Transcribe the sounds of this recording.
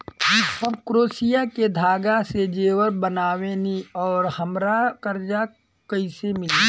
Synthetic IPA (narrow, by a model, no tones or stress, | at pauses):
jiːsəbkɾoːsijaked̪ʱaːɡased͡ʒeːwəɾbənaːweniɔːɾhəmɾakəɾd͡ʒa | kəɪsemɪli